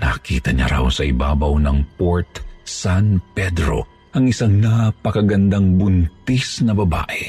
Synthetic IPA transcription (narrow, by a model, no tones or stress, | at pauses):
nɐkiːt̪ɐɲa̰ɾɐ̰wsɐʔɪbaːbɐwnɐŋpoɹt̪sanpɛd̪ɾo̞̰ | ʔɐŋɪsaŋnɐpɐkɐɡɐnd̪aŋbʊnt̪isnɐbɐba̰ːʔɛ